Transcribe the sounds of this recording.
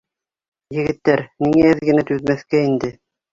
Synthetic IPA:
jɘ̆ɡɘ̆t̪ːæɾniŋæɘðɡɘ̆næt̪ʉðmæθkæind̪ɘ

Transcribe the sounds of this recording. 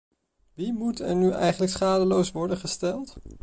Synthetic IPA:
ʋimutɛɹnyʔɛ̰jχənləksχaːdəlowsʋɔɹdənχəstɛlˠt

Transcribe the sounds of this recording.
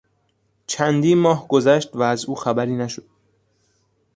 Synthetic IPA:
t͡ʃʰænd̪iːnmɒːhɡozæʃt̪væːzuːxæbæɾiːnæʃod̪̥̚

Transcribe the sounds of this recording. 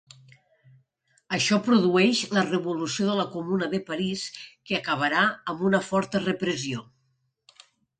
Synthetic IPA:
əʃɔpɾuðuɛʃlərəβulusioðələkumunəðəpaɾiskeəkəβ̞əɾaəmbunəfɔɾt̪ərəpɾəzio

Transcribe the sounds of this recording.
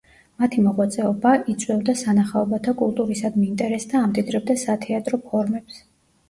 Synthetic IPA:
mat̪ʰimɔʁwat̪sʼɛɔbaʔit̪sʼwɛbd̪asanaχaɔbat̪ʰakʼulˠt̪ʼuɾisad̪miːnt̪ʼɛɾɛsd̪aːmt̪ʼid̪ɾɛb̚d̪asat̪ʰɛat̪ʼɾɔpʰɔɾmɛps

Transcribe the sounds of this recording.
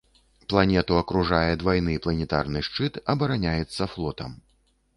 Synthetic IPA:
plˠanʲɛt̪uɐkɾuʐajɛd̪vajnɨplˠɐnʲɛt̪a̰rnɨʂt͡ʂɨt̪ɐbɐɾanʲajɛt̪sːɐflˠɔt̪ɐm

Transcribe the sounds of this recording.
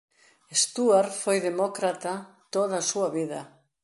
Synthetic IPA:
est̪uaɾfojðemɔkɾat̪at̪oð̞asuaβiðɐ

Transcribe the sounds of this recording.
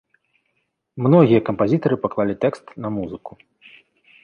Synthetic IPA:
mnɔɣʲijɐkɐmpazʲit̪ɐɾɨpaklˠalʲit̪ɛkst̪nɐmuzɨku̥

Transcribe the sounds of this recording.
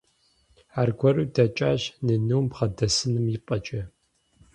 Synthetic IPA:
aːrɡʷɔɾudʰɐt͡ʃʼaːʑnɨnɨwmbʁɐdɐsɨnɨmjɪpʼɐt͡ʃʼɐ

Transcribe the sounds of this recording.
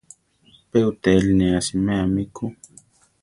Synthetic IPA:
peut̪ɛlnɛasimɛamiku

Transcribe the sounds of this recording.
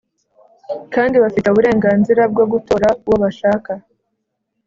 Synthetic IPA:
kaːndiβafitoβuɾe̞ːŋɡaːnziɾab̚ɡoɡuto̞ɾawoβaʃaːka

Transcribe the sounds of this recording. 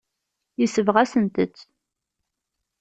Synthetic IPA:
jəsəvʁæsənt̪ət͡sː

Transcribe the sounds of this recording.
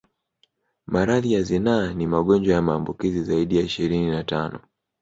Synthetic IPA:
maɾaðijazinaːnimaɠɔnd͡ʒwajamaːmbukizizaiɗijaiʃiɾininatanɔ̰

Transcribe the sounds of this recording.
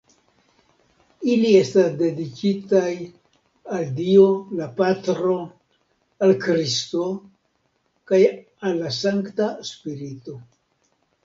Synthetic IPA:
ilie̞stasde̞dikitaj | aldio̞lapatɾo̞ | alkɾisto̞ | kaj | alːasaŋktaspiɾito̞

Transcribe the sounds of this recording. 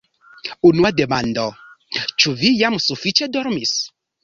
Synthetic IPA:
unuademãnd̪ɔ | t͡ʃuvijamsufit͡ʃɛd̪ɔɾmis

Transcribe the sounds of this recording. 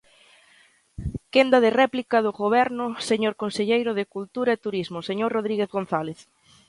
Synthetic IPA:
kend̪ɐðɪrɛplikɐðʊɣoβɛɾnʊseɲoɾkonseʎejɾʊð̞ɪkult̪uɾɐet̪uɾizmʊseɲoɾroð̞ɾiɣeθɣon̟θaleθ

